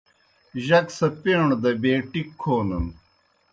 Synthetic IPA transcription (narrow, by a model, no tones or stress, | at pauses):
ʑɐksɐpeːɳd̪ɐbeːʈikʰːoːnun